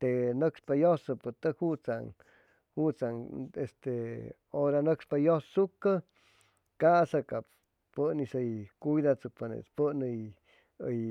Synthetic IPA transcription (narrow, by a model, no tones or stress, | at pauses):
t̪enəkspajosəpət̪əkhut͡sa̰ŋ | hut͡saŋest̪e | oɾanəkspajossukə | kasakap | pənisəjkujðat͡sɨk̚panḛt͡spənəj | əj